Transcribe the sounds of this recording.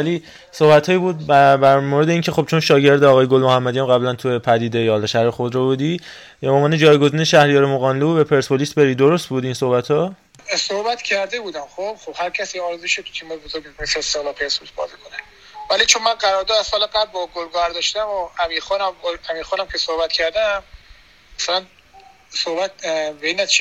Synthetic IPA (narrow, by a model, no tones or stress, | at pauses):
væli | sohbæt̪ʰhɒːjiːbuːd̪̚bæbæɾmoɾed̪e̞iːŋcʰe̞xo̞b̥t͡ʃʰo̞nʃɒːɟe̞ɾd̪eɒɣɒːjeɡolmo̞hæmːæd̪ijæmɣæblænt̪ʰujepʰæd̪iːd̪e̞jɒhɒlɒʃæhɾexod̪ɾɒbud̪i | boːmvɒːne̞d͡ʒɒːjɡo̞ziːneʃæhɾijɒːɾemoɣɒːnluubepʰe̞ɾsbolisbe̞ɾiːd̪oɾost̪̚buːd̪inso̞hbæt̪ʰhɒ | sohbæt̪cʲʰæɾd̪ebuːd̪æmxob̥xob̥hæɾcʰæsiɒɾzeʃot̪ʰu̥t̪ʰimejbozoɾɡeneseest̪eɣlɒːlpʰeɾsbolisbɒ̰ːzikʰone | vælit͡ʃʰonmænɢæɾɒːɾd̪ɔːd̪æsɒːlepʰæɾ̚bɔɡolɡɒɾd̪ɒʃt̪æmoæmiːɾxɔnæmɡolæmiːɾxɔːnæmcʰesohbæt̪cʰæɾd̪æm | æsælæn | sohbæt̪̚beinæt͡ʃʰi